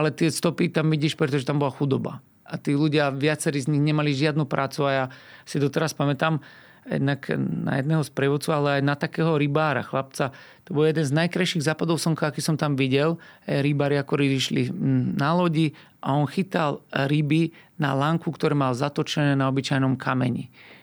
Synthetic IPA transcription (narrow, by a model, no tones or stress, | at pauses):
alɛt̪ɪɛst̪ɔpit̪amʋiɟiːʃpɾɛt̪ɔʒɛt̪ambɔlaxud̪ɔba̰ | at̪iːluɟɪaʋɪat͡sɛɾiːzɲiɣɲɛmaliʒɪad̪nupɾʔaːt͡suajasid̪ɔt̪ɛɾaspamɛt̪aːm | jɛ̰d̪nakna̰jɛ̰d̪nɛːɦɔspɾɛʋɔt͡sualɛajnat̪akɛːɦɔɾibaːɾa̰xlap̚t͡sat̪ɔbɔljɛd̪ɛnznajkɾajʃiɣzaːpad̪ɔʊsɔŋkaakiːsɔmt̪amʋiɟɛlajɾibaːɾiakɔɾibiʃlinalɔɟi | ʔaɔnxit̪alɾibina̰laŋkukt̪ɔɾɛmalzat̪ɔt͡ʃɛnɛːnaɔbit͡ʃajnɔmkʰamɛɲḭ